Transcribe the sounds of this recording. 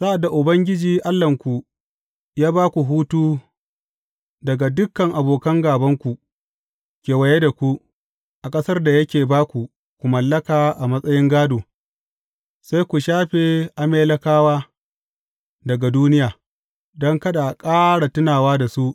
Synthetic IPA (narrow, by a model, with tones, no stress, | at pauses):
sa˦ʔa˨da˨ʔʊ˨bɐ˦ŋɡʲɪ˦d͡ʒiː˨ʔa˦lːɐ˨ŋkʷu˨ | jaː˦baː˦kʷu˨ɦuː˦tuː˦ | dɐ˨ɡa˨dʊ˦kːɐ˨ŋʔa˨boː˨kɐ˦ŋɡaː˨bɐ˦ŋkʷu˨ | kʲeː˨wɐ˨je˦da˨kʷu˦ | ʔa˨kʼɐ˦sɐ˦rda˨jɐ˦kʲeː˨baː˦kʷu˨ | kʷu˨mɐ˨lːɐ˦kaː˨ʔa˨mɐ˦sʼɐ˦jɪ˦ŋɡaː˦doː˨ | sa˦jkʷu˨ʃaː˦ɸe˨ʔa˨meː˦lɐ˦kaː˦waː˦ | dɐ˨ɡa˨duː˦nɪ˦jaː˨ | dɔ˦ŋkɐ˦ɗa˨kʼaː˦ɽa˨tɪ˦naː˨waː˦da˨su˦ʔ